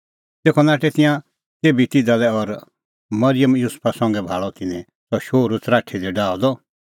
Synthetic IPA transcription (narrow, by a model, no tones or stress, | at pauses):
t̪eːkʰɔnaːʈɛt̪ɪ̃jã | t̪eːbit̪ɪd̪alɛɔɾ | mɐɾɪjəmjuspʰasɐ̃ŋɡɛbʱaːɭɔt̪ɪnɛ̃ | sɔʃoːɾut͡sɾaːʈʰid̪ɛɖaːɔd̪ɔ